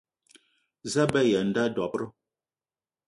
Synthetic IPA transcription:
za˦bɛ˦ja˨n̩˦da˦dɔ˨pɾə˦

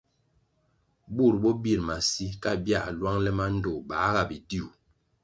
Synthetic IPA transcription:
bu˦˨ɾbɔ˦bi˦˨ɾma˨si˦ka˦bja˦˨lwa˦ŋlɛ˦ma˦n̩˦do˨ba˨˦ɣa˦˨bi˨di˦u˨

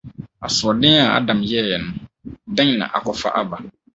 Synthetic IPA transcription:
a̰˨sʊ˨ɔ˨dɪ̃˦a˨a̰˦˨dã˨mjɛ˦˨jɛ˨nʊ̃˨dã˦ɲ˨nã̰˨ʔa̰˨kɔ˨fa̰˦ʔa˦ba˨

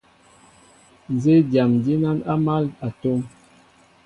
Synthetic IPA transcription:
n˨ze˦dja˨mdi˦na˦na˦ma˦la˨to˦m

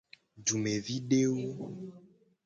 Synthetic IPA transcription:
d͡ʒu˨me˨vi˦ɖe˦wo˦

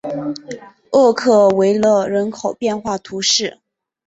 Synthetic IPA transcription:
ɤ˥˧kʰɤ˥˩we˧˥ɪlə˥˩ɻə˧˥nkʰo˨˩ʊpjɛ˥˧nxwa˥˩t̪ʰu˧˥ʂɻ̩˥˩

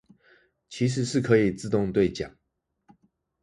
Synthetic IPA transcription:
t͡ɕʰi˧˥ʂ̬ɻ̩˧˦ʂɻ̩˥˩kʰɤ˧˥i˨˩t͡sɹ̩˥˧t̪ʊ˥˧ŋt̪we˥˩ɪt͡ɕja˨˩˦ŋ

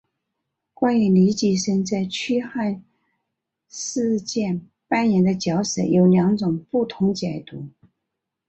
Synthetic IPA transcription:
kwa˥ny˧˩li˧˥t͡ɕi˥˩ʂə˥ŋt͡sa˥˩ɪt͡ɕʰy˥xa˥˧n | ʂɹ̩˥˧t͡ɕjɛ˥˩n | pa˥njɛ˧˥nd̪ə˧t͡ɕjɑ˧˥ʊʂə˨˩˥jo˧˥ʊljɑ˧˥ŋʈ͡ʂʊ˨˩ŋpu˥˩t̪ʰʊ˧˥ŋt͡ɕjɛ˨˩t̪u˧˥

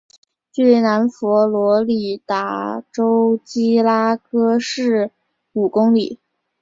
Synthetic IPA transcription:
t͡ɕy˥˩na˧˥nfɔ˧˥lwɔ˧˥li˨˩t̪a˧˥˩ʈ͡ʂo˥ʊt͡ɕi˥la˥kɤ˥ʂɻ̩˥˩ | u˨˩kʊ˥ŋli˨˩˦

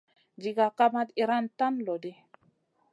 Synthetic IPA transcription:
d͡ʒi˨ɡa˨ka˦ma˦t̪i˨ɾa˦nta˦nlo˨di˦

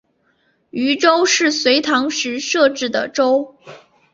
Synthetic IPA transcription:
y˧˥ʈ͡ʂo˥ʊʂɻ̩˥˩swe˧˥ɪt̪ʰɑ˧˥ŋʂɻ̩˧˥ʂɤ˥˧ʈ͡ʂɻ̩˥˩d̪ə̰˩ʈ͡ʂo˥ʊ

